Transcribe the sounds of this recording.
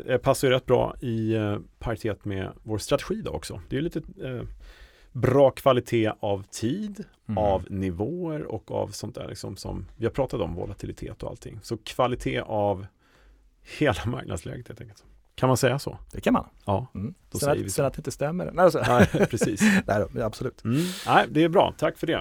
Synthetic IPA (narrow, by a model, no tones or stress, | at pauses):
ɛpʰasːajʏɾɛt̪ːbɾɑ̰ːɪpʰaɾt̪ʰeːt̪mɛ̰voːɾst̪ɾat̪ɛɧiːd̪ɔ̰ɾɔksɔ̰d̪ɛjʏliːt̪ə | bɾɑːkʰvalɪt̪ʰeːavt̪ʰiːd̪ | avnɪvoːəɾɔkːa̰vsɔnt̪̚d̪æ̰ːɭlɪ̰ksɔmsɔ̰mvɪhaɾpʰɾɑːt̪at̪ɔmvɔ̰lat̪ʰɪlɪt̪ʰḛːt̪ɔa̰lt̪ʰːɪ̰ŋːsɔkʰv̥alɪt̪ʰeːʔav | heːlama̰ɾknad̪slɛ̰ːɡət̪helɛŋkːəlt̪ | kʰanmansɛjːasɔ̰d̪̥ɛkʰama̰nɑːd̪̥ɔsɛəɪsɛat̪ɛɪnt̪əst̪ɛmːəɾɛnæɪpʰɾɛsiːsnæɪd̪ɔabsɔlʉːt̪m̩næɪd̪ɛːɾbɾɑ̰ːt̪ʰakːfœɖɛ